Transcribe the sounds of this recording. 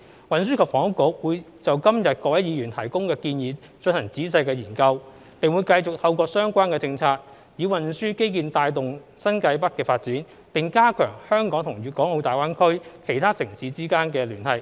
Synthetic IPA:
wɐ˨ns̬yː˥kʰɐː˨˩k̚fɔː˨˥ŋʊ˥kːʊ˨˧˥k̚wuː˨˧j | t͡sɐ˨wkɐ˥mjɐ˨t̚kɔː˧wɐ˨˥jiː˨˧jyː˨˩nt̪ʰɐ˨˩jkʊ˥ŋkɛː˧kiː˧njiː˨˧ | t͡ʃɵ˧nhɐ˨˩ŋt͡siː˨˥s̬ɐ˧jkɛː˧jiː˨˩nkɐ˧w | pɪ˨ŋwuː˨˧jkɐ˧jt͡sʊ˨k̚t̪ʰɐ˧wkɔː˧sœː˥ŋkʷaː˥nkɛː˧t͡sɪ˧ŋt͡sʰaː˧k̚ | jiː˨˧wɐ˨˩nsyː˥ke˥jkiː˨nt̪aː˧jt̪ʊ˨ŋ | sɐ˥nkɐ˧jpɐ˥t̚kːɛː˧faː˧t̚t͡siː˨˥n | pɪ˨ŋkaː˥kʰœː˨˩ŋhœː˥ŋkɔː˨˥ŋt̪ʰʊ˨˩ŋɥyː˨˧kɔː˨˥ŋo˨˧wt̪aː˨˩waː˥nkʰɵ˥ɥkʰe˨˩jt̪ʰaː˥sɪ˨˩ŋsiː˨˧t͡siː˥kaː˥nkɛː˧lyː˨˩nhɐ˨˩j

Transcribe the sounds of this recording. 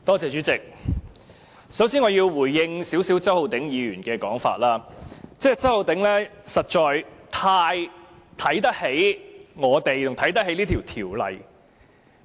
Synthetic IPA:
t̪ɔː˥t͡sɛː˨t͡ʃyː˨˥t͡sɪ˨k̚ | sɐ˨˥wsiː˥nŋɔː˨˧jiː˧wwuː˨˩jːɪ˧ŋsiː˨˥wsiː˨˥wt͡sɐ˥who˨˧wt̪ɪ˨˥ŋjiː˨˧ɥyː˨˩nkɛː˧kɔː˨˥ŋfa̰ː˧t̚laː˥t͡sɛː˥˩t͡sɐ˥who˨˧wt̪ɪ˨˥ŋlɛː˥sɐ˨t̚t͡ʃɔː˨jt̪ʰaː˧j | t̪ʰɐ˨˥jt̪ɐ˥k̚he˨˥jŋɔː˨˧t̪e˨jt̪ʰʊ˨˩ŋt̪ʰɐ˨˥jt̪̬ɐ˥khe˨˥jliː˥t̪ʰi˨˩wt̪ʰiː˨˩wlɐ̰˨˩j

